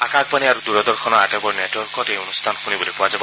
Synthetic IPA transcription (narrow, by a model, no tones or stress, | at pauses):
akak̚paniaɾud̪uɾɔd̪ɔɾkʰɔnɔatebɔɾneʈɔɾkɔteɔnust̪ʰanɔxunibɔlipɔwad͡ʒabɔ